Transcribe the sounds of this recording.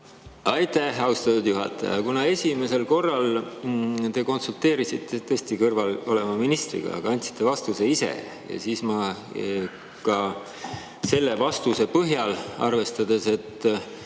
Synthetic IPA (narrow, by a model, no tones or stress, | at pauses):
ɑjt̪ːˑæhɑwst̪ɑt̪ːud̪̥juɦɑ̰t̪ːˑɑ̰jɑ̰kunɑe̞sʲime̞se̞lko̞rːɑl | t̪e̞ko̞nsult̪ːe̞ːɾisit̪ʰːet̪eːsʲt̪ikɤrvɑlo̞le̞mɑminist̪rḭɡ̥ɑ̰ɑ̰ɡ̥ɑɑnʲt̪si̥t̪ːˑe̞vɑst̪use̞ise̞̰ | jɑ̰siːsmɑ | kɑ | se̞lːe̞vɑst̪use̞pɤɦjɑlɑ̰rve̞st̪ɑd̪e̞se̞t̪ː